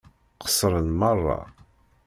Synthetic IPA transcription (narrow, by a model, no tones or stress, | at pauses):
qə̥sɾˤənmərˤːɑ̰